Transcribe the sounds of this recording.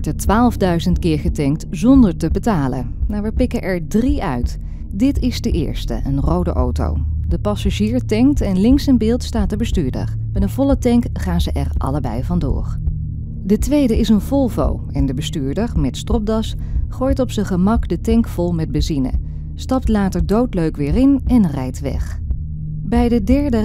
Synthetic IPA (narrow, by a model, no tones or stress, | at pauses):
ɔɹtətʋaːlˠvdœɥzəntkɪːɹχətɛŋk̚tzɔndəɹtəbətaːlə̰ | maːɹʋəpɪkəʔɛɹdriœ̰ɥt | dɪtɪzdəʔɪ̰ːɹstə̰ʔənrowdə̰ʔo̰wto̰wdəpɑsaʒiːɹtɛŋk̚tɛnlɪŋksənbɪːlˠtstaːt̚dəbəstyːɹdə̰r | bɛdənvɔlˠətɛŋk | χaːnzəʔɛrʔɑ̰ləbɛ̰jvɑndʊ̰ːɹ | dətʋejdəʔɪsənv̥ɔlˠvo̰w | ɛndəbəstyːɹdəɹmɛtstrɔp̚dɑsχoːjtɔpsəχəmɑkdətɛŋkfɔlˠmɛd̚bəzinə̰ | stɑp̚tlaːtəɹdowtløɥkʋɪːrɪnɛnrɛjtʋɛ̰χ | bɛjdədɛɹdə